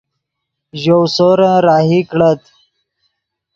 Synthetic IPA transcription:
ʑowsoɾãɾaːɦikɽət̪

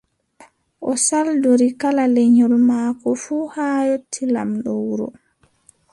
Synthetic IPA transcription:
ʔɔsaldoɾikalalɛɲɔlmaːkɔfuːhaːjotʰːila̰mɗɔwuɾṵ

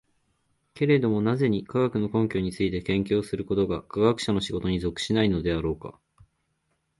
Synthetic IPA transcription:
ke̞ɾe̞d̪o̞mo̞naze̞ɲ̟ikaɡakɯ̟no̞kõ̞ŋkʲo̞ːɲ̟it͡sɨit̪e̞kẽ̞ŋkʲo̞ːsɨɾɯ̟ko̞t̪o̞ɡakaɡakɯ̥ɕano̞ɕiɡo̞t̪o̞ɲ̟izo̞kɯ̟̥ɕinaino̞d̪e̞aɾo̞ːka̰

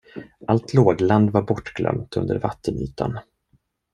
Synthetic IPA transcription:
ʔalt̪ʰloːɡland̪vaɾbɔʈːɡlœ̰mt̪ʰɵnd̪əɾvat̪ʰːəny̰ːt̪ʰa̰n

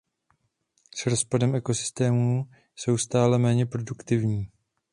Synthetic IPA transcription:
sɾo̞spadɛmʔɛko̞sɪ̥st̪ɛːmu | so̞wst̪aːlɛmɛːɲɛpɾo̞dukt̪ɪvɲiː

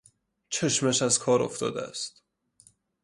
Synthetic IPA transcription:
t͡ʃʰeʃmæʃæzkʰɒːɾo̰ft̪ɒ̰ːd̪ḛæ̰st̪

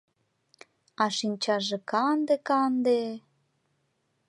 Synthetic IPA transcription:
ɑʃinʲt͡ɕɑʒekɑnd̪ekɑnd̪e

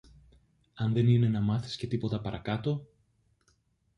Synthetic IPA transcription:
ɐnðe̞nine̞nɐmɐθi̥sce̞t̪ipo̞t̪ɐpɐɾʔɐkɐt̪o̞

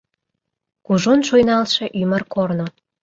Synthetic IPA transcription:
kuʒonʃojnɑlʃĕʔymərkorno

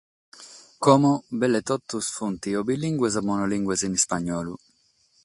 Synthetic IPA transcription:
kɔmɔbɛlːet̪ɔt̪ːusfunt̪iɔbilːiŋɡwez̬amːɔnɔliŋɡwesinispaɲːɔːlu

